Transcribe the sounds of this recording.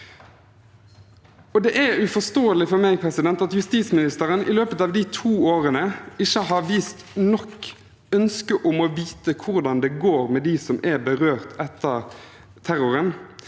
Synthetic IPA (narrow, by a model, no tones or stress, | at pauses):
ɔd̪ɛʔæʉfɔst̪oːəlɪfɔmæɪpʰɾɛsɪd̪ɛnt̪ɑt̪jʉst̪iːt̪smɪnɪst̪əɾənʔɪ̰løːpət̪ɑːʋd̪it̪ʰuːoːʁənəɪçəhɑɾʋiːst̪nɔk | œnskəʔʊmɔʋiːt̪əkʰʊɾd̪ɑnd̪ɛɡoːɾmɛd̪isɔmʔæbəʁøːʁt̪ʰɛt̪ːəʁ | t̪ʰæɾʊɾən